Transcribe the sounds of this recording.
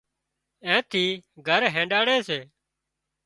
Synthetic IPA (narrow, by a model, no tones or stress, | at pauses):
ɛ̃ːt̪ʰiːɡʱəɾɦẽːɖaːɽeːseː